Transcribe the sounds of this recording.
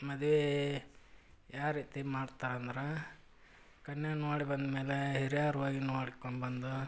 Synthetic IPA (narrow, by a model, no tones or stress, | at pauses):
mɐd̪ʋe | jaːɾiːt̪imaːɖt̪aːɾnd̪ɾe | kɐnːenoːɽibɐnd̪meːleɦeɾijaːɾʋaːɡinoːɽikoɳbɐnd̪u